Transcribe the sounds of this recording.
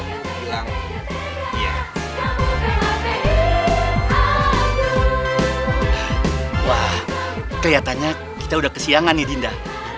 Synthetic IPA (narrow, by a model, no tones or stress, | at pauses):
a | ija | jawahkəliat̪anɲa | kit̪audahkəsiaŋanidinda